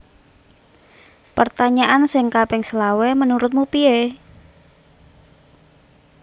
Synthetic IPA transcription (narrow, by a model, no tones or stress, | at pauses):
pərt̪aɲaʔansɪŋkapɛŋsəlawɛmənuɾʊt̪̚mupie